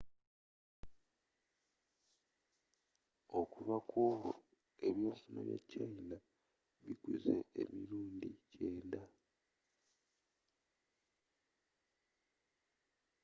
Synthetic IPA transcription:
okuβakʰuɾu | eβjosina̰βja̰caila | βikuzḛḛmiɾuːndit͡ʃeːnda

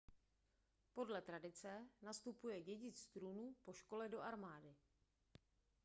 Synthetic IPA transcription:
po̞dlɛt̪ɾadɪt͡sɛnast̪upujɛɟɛɟɪt͡st̪ɾuːnupo̞ʃko̞lɛdo̞ʔaɾmaːdɪ

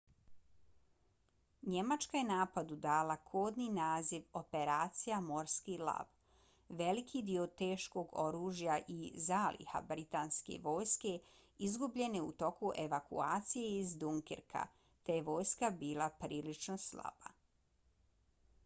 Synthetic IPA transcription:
ɲe̞mat͡ʃkaje̞naːpad̪ud̪aːlakʰoːd̪ninaːziʋo̞pe̞ɾaːt̪sijamo̞ɾskilˠa̰ʋ | ʋe̞likʰid̪iot̪eːʃko̞ɡo̞ɾuːʒjaʔizaːlḭha̰bɾit̪aːnske̞̰ʋo̞ːjske̞ | izɡubʎe̞neut̪o̞kuʔe̞ʋakṵaːt̪sije̞izd̪uŋkḛɾkʰa̰ | t̪eje̞ʋo̞ːjskabiːlˠapɾiːlit͡ʃno̞sla̰ba̰

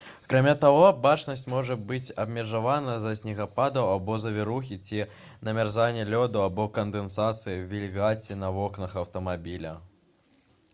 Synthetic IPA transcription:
ɐkɾamʲat̪aɣɔbat͡ʂnɐsʲt͡sʲmɔʐɐbɨt͡sʲɐbmʲɛʐavanɐzɐsʲnʲiɣapad̪ɐwabɔzɐvʲɛɾuxʲit͡sʲi | nɐmʲarzanʲːɛlʲɔd̪uabɔkɐnd̪ɛnsat̪sɨjiwvʲilʲɣat͡sʲinɐvɔknɐxɐwt̪ɐmabʲilʲɐ̰

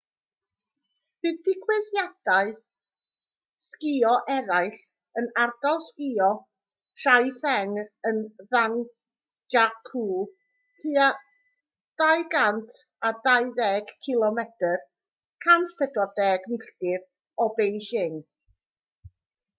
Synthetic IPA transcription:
b̥ɨːðdɪkʰwɪðjad̥aɨ | skɪɔʔɛɾaɨɬ | ənard̥alˠskɪɔ | ɬajθɛŋənðan | d͡ʒakʰuː | tʰɨa | d̥ajɡantʰ | adajðɛːɡ̥kʰɪlˠɔmɛtʰər | kʰantʰpʰɛdwɔdɛːɡmɪɬtɪv | ɔbejʃɪŋ

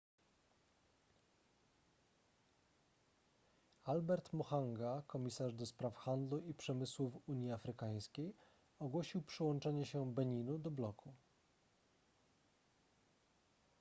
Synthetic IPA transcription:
albɛɾt̪mɔxaŋɡakɔmʲisaʐd̪ɔspɾafxand̪luipʂɛmɘswufuɲjiafɾɘkaj̃skʲej | ɔɡwɔɕiwpʂɘwɔnt͡ʂɛɲɛɕɛbɛɲinud̪ɔblɔkʰu

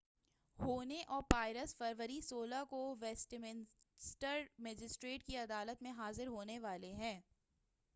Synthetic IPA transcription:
hoːneʔɔːɾpaːɪɾəsfɐɾʋəɾisoːlakoʋɛːsʈmɪn | sʈəɾmɛːd͡ʒɪsʈɾeːʈkiɐd̪aːlət̪mẽɦaːzɪɾɦoːneʋaːleɦɛ̃ː

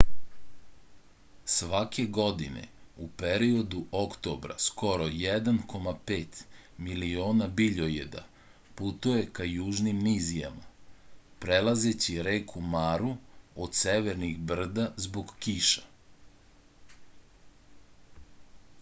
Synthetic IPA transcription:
sʋake̞ɡo̞d̪inḛupeɾio̞d̪uʔokt̪o̞bɾa̰sko̞ɾojɛd̪anko̞mape̞ːt̪milio̞ːnabiʎojḛd̪a̰ | put̪uje̞kajuːʒnimnizija̰ma | pɾelaze̞t͡ɕiɾeːkʰumaːɾuod̪seʋeɾnixbr̩d̪azbo̞ɡkiʃḁ

